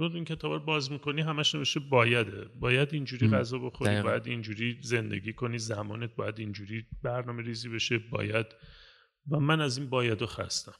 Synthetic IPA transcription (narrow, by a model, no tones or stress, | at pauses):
ɾod̪iːncʲʰe̞t̪ʰɒːbɒɾbɒːzmiko̞niːɦæmæʃne̞veʃt̪ebɒːjæd̪ebɒːjæd̪ind͡ʒuːɾiːɡæzɒːbo̞xoɾibɒːjæd̪ind͡ʒuːɾiːze̞nd̪e̞̰ɡiːkʰo̞niːzæmɒːnet̪̚bɒːjæd̪ind͡ʒuːɾiːbæɾnɒːme̞ɾizibe̞ʃebɒ̰ːjæd̪̥ | væmænæziːnbɒːjæd̪oxæ̰st̪æm